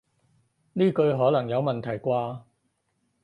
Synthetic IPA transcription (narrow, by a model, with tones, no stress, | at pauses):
niː˥kɵ˧ɥɦɔː˨˥lɐ˨˩ŋjɐ˨˧wmɐ˨˩nt̪ʰɐ˨˩jkʷaː˧